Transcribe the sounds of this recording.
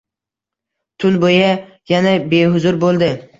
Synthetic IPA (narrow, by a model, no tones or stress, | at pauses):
t̪ʰʊnboja | janabeɦʊzʊɾbolˠd̪ɪ